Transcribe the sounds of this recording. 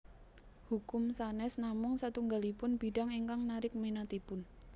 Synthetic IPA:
hukʊmsanɛsnamʊŋsat̪uŋɡalipʊnb̥iɖaŋiŋkaŋnaɾɪk̚menat̪ipʊn

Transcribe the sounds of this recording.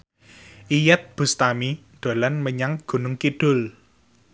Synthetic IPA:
ʔijɛt̪̚b̥ṳst̪ami | d̪̥o̤lanməɲaŋɡ̥ṳnʊŋkiɖ̥ʊ̤l

